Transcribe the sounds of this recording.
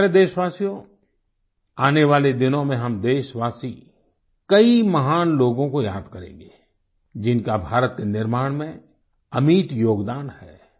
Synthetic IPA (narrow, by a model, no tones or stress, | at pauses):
ɾed̪eːʃʋaːsijõ | aːneʋaːled̪ɪnõmẽɦɐmd̪eːʃʋaːsi | kɐimɐɦaːnloːɡõkojaːd̪kɐɾḛ̃ːɡeː | d͡ʒɪnkabʱaːɾət̪̚kenɪɾmaːɽ̃mẽ | ɐmiːt̪joːɡd̪aːnhɛː